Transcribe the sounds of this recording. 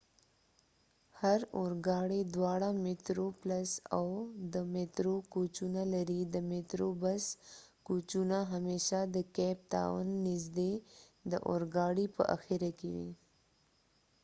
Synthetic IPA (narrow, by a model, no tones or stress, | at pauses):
haɾoɾɡɑɽid̪wɑɽamɪt̪ɾoplasawd̪əmet̪ɾokot͡ʃunalaɾid̪əmet̪ɾobaskot͡ʃunaɦameʃad̪əkɛp̚t̪a̰wa̰nːɪsd̪e | d̪əʔo̰ɾɡɑɽipə̰ʔa̰xiɾakewḭ